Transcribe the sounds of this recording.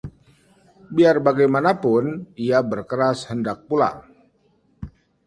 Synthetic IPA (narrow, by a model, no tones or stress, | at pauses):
biarbaɡajmanapʊniabərkəɾashəndak̚pula̰